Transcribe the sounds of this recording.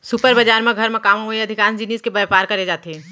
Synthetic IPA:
supəɾbəd͡ʒaːɾmẽɡʱɐɾmẽkaːmoeɐd̪ʱɪkaːnd͡ʒiniːskebəpaːɾkɐɾed͡ʒaːt̪eɦɛ

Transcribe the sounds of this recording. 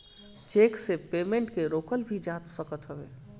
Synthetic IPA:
t͡ʃeksepemẽɳʈkeɾokəlbʱid͡ʒat̪səkət̪ɦəbḛ

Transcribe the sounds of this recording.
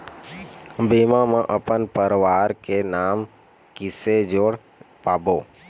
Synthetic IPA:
bimãmãʔəpənpəɾʋaːɾkenaːm | kɪsed͡ʒoːɽ | paːboː

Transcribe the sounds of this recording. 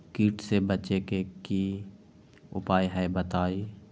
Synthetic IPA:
kiːʈsebət͡ʃekeki | ʊ̰paːjɦɛbət̪aːi

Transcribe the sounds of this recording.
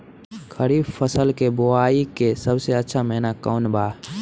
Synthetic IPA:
kʰəɾiːbpʰəsəlkeboaːikesəbseətːʃʰamɛɦnakɔːnbaː

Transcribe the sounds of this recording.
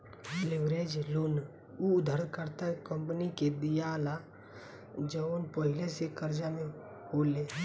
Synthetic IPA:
lɪʋɾeːd͡ʒloːn | ud̪ʱəɾd̪kəɾt̪akə̃mpəniked̪ijaːla | d͡ʒəonpəɦɪlesekəɾd͡ʒamẽ | hoːle

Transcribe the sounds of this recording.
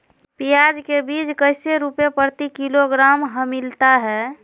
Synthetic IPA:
pijad͡ʒkebid͡ʒkəɪseɾupepəɾt̪ikiloɡɾamɦəmilt̪aɦɛ

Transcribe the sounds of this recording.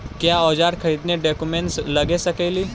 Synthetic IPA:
kjaɔd͡ʒaɾkʰəid̪neɖɔkumeɳʈsləɡesəkejliː

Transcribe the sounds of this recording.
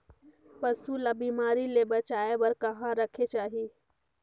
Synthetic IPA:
pəsulabimaːɾilebət͡ʃaːebəɾkəɦãɾəkʰet͡ʃaːɦi

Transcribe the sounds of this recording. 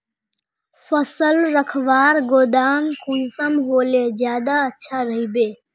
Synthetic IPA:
fəsəlɾəkʰʋaːɾɡoːd̪aːmkʰunsəmɦoːleːzjaːd̪aətːʃʰaːɾəɦibeː

